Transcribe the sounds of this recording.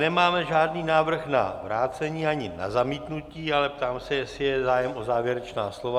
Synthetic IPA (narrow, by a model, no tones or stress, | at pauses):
nɛmaːmɛʒaːdniːnaːvr̩xna̰vɾaːt͡sɛɲiːaɲɪna̰zamiːt̪nuciːalɛpt̪aːmsɛjɛsɪjɛzaːjɛmozaːvjɛɾɛt͡ʃnaːslo̞va